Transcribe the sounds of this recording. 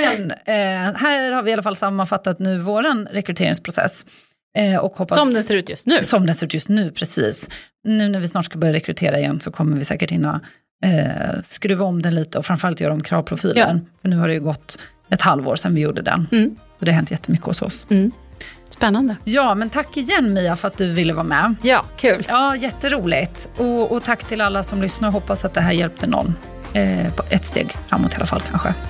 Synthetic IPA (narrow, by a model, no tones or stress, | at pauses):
mɛn | hæːɾhaɾvɪalːafalsamːanfat̪ːat̪nʉ̟ːvoːɾanɾɛkɾɵt̪ʰeːɾɪ̰ŋspʰɾʊsɛ̰sː | ʔɔkhɔpːasɔmd̪ɛnseːɾʉ̟ːt̪jɵst̪nʉ̟ːsɔmd̪ɛnseɾʉ̟t̪jɵst̪nʉ̟ːpʰɾɛsḭːsnʉ̟ːnæɾvɪsnɑːʈʂkabœɾjaɾɛkɾɵt̪ʰeːɾaɪjɛ̰nsɔkʰɔmːəɾvɪsɛ̰ːkəʈɪnːɔ̰ | skɾʉ̟ːaɔmd̪ɛnliːt̪əɔfɾanfœɾalt̪jœːɾɔmkʰɾɑ̰ːvpʰɾʊfiːlənfœɳʉ̟ːhaɖɛjʉɡɔt̪ː | ɛt̪halvo̰ːɾsɛnvɪjuːɖəd̪ɛ̰nsɔd̪ɛaɦɛnt̪jɛt̪ːəmʏkːəɔ̰sɔ̰s | spɛnːand̪əjɑːmɛnt̪ʰakːɪjɛnːmiːafœɾat̪̚d̪ɵvɪlːəvɑːmɛjɑːkʰʉːlɑːjɛt̪ːəɾuːlɪɡt̪ɔɔt̪ʰakːt̪ʰɪlalːasɔmlʏsnaɾɔɦɔpːasat̪̚d̪ɛɦæːɾjɛlp̚t̪ənɔ̰nː | ɛt̪st̪ḛːɡfɾa̰mːɔ̰t̪ha̰la̰fa̰lkʰa̰nɧə̰